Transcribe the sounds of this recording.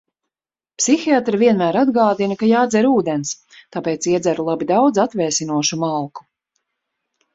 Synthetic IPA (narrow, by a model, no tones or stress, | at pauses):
psixiat̪ɾaviɛnmæːɾad̪ɡaːd̪inɐkajaːd̪zɛɾuːd̪ɛns | t̪apɛːt̪siɛd̪zæɾulˠabid̪awd̪zat̪vɛːsinuɔʃumalˠku̥